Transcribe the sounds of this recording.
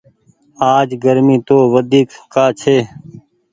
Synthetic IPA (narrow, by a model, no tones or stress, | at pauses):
aːd͡ʒɡəɾmĩːt̪oːʋəd̪ʱiːkːaːt͡ʃʰeː